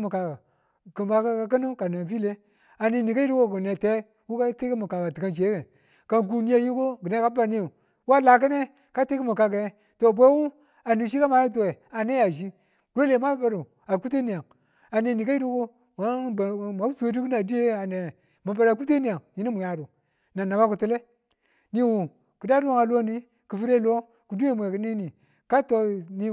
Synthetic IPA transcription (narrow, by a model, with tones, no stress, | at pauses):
mu˨ka˨ɡa˨ | kma˨ka˦ka˨kə˦nu˦ka˨na˨vi˦le˦ | a˨ni˨ni˨ka˦i˦du˦ko˦˨ku˨ne˨te˦ | wu˦ka˦te˦kmu˨ka˨ka˨ti˨ka˦nd͡ʒe˨˦ke˨ | ka˦nk̬u˦ni˦a˨ji˦ko˦ɡi˨ne˦ka˦a˦˨ni˦˨ | wu˦a˦la˨k̬a˦ne˦ | ka˦te˦ki˦mu˨ka˨ɡa˨˦ | to˨bʷe˦wu˦ | a˨ni˨ʃi˦ka˦ma˨˦ji˦t̬o˨e˨a˨ne˦ja˨ʒi˦ | ɾo˦le˨ma˦ba˦ɾu˨ | a˨ku˦t̬e˦ni˨ja˨ŋ | a˨ne˨ni˨ka˦i˦du˦ko˦ | wa˨˦bma˨˦u˦sdu˦ku˦n˦a˨di˦je˦a˨ne˨ | ma˨ba˨ɾa˨ku˦t̬e˦ni˦˨a˨ŋji˦ni˦mu˨ja˨du˨ | na˨nːa˨ba˦ku˨tu˦le˦ | ni˦wu˨ | ki˨da˦du˦wa˦ŋa˨lo˦ni˦ | ki˨fi˦ɾe˦˨lo˦ | ku˨du˦e˦m˨e˨ki˦ni˦ni˨ | ka˦to˦ni˦